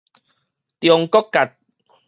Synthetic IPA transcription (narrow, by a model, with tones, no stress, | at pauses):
t̪jɔ˨˧ŋkɔ˦kːa˨t̪̚